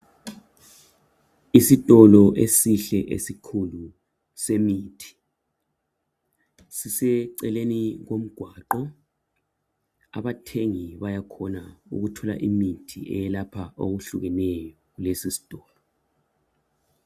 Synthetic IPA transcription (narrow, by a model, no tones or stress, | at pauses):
isitʼɔlɔʔesiɬɛʔḛsikʰulu | semiːtʰi̥ | sisɛǀɛleniɣom̩ɡ̥ʱwaːǃɔ | a̰βatʰeŋiβajakʰɔnaṵɣutʰɔla̰ʔimitʰiɛ̰jɛlapʰao̰ɣuɬuɣɛnɛjɔɣulesisi̥tʼɔːlɔ